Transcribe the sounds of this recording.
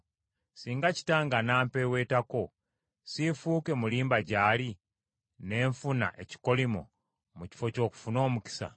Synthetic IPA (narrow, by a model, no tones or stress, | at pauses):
siːŋɡaci̥taːŋɡanaːmpewe̞ːtako̞ | sifuːke̞muliːmbaɟaːli | ne̞ːɱfuna̰ʔe̞ci̥ko̞limo̰ | muci̥fo̞co̞ːku̥funo̞ːmuki̥sa̰